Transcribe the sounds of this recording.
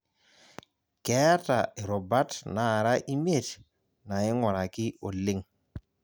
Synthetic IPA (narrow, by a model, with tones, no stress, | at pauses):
ke˨˦a˦ta˨e˨ɾo˨ba˦tna˨ɾa˦ʔi˦m˦e˦˨t | na˨i˦ŋwa˨ɾa˨ki˦o˨li˦ŋ